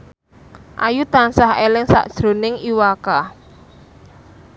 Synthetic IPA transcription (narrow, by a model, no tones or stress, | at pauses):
ʔajut̪ansaɦelɪŋsa̰ʔd̥ʒ̥ɾo̤nɪŋiwaka